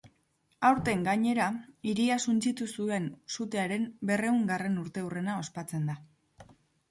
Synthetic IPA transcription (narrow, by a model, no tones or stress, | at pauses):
awɾt̪e̞ŋɡaɲe̞ɾaiɾiasunt͡sit̪usue̞nsut̪e̞aɾe̞mbe̞re̞uŋɡare̞nuɾt̪e̞ure̞nao̞spat͡se̞nd̪a